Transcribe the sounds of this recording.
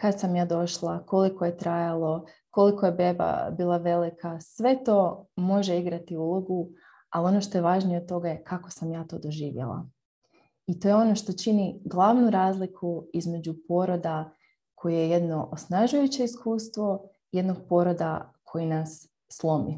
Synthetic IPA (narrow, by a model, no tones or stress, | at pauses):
kad̪samjaːd̪o̞ʃlˠako̞likoje̞t̪ɾajalˠo̞ | ko̞likojebeba̰biːlˠaʋe̞likʰasʋe̞t̪o̞ːmo̞ʒe̞iɡɾat̪iulˠo̞ɡu | alio̞noʃt̪o̞je̞ʋaːʒnijeo̞d̪̚t̪o̞ɡaje̞kʰako̞samjaːt̪o̞̰ːd̪o̞ʒiːʋjḛlˠa̰ | it̪o̞je̞o̞no̞ʃt̪o̞t͡ʃiniɡlˠaʋnuɾaːzlikʰuizme̞d͡ʑupo̞ɾo̞d̪a | kʰo̞juje̞je̞d̪no̞ʔosnaʒujut͡ɕe̞iskuːst̪ʋo̞ | je̞d̪no̞ɡ̥̚po̞ɾo̞d̪akʰo̞jinasː | lˠo̞mḭ